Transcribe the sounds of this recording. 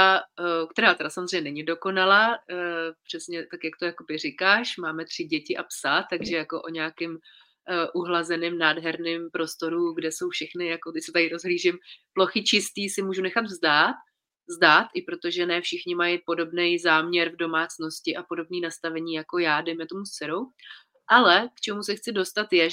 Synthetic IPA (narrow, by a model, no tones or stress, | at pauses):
ak̚t̪ɛɾaːt̪ɛdasamozr̝ejɲɛnɛɲɪdo̞ko̞nalaː | pr̝̥ɛsɲɛt̪akjak̚t̪o̞jako̞bɪrɪkaːʃmaːmɛt̪r̝̥ɪɟɛcɪʔapsat̪aɡʒɛjako̞ʔo̞ɲɛakɪm | ʔuɦlazɛnɪmnaːdɦɛɾnɪmpɾo̞st̪o̞ɾuɡdɛso̞wfʃɛxnɪjakot̪ɪsɛt̪adɪɾo̞zɦliːʒɪmplo̞xɪt͡ʃɪst̪iːsɪmuːʒunɛxad̪vzdaːt̪̚ | vzdaːt̪ʔɪpɾo̞t̪o̞ʒɛnɛfʃɪxɲɪmajɪpo̞do̞bnɛjzaːmɲɛɾvdo̞maːt͡sno̞scɪʔapo̞do̞bniːnast̪avɛɲiːjako̞jaːdɛjmɛt̪o̞must͡sɛɾow | ʔalɛkt͡ʃɛmusɛxt͡sɪdo̞st̪at̪jɛ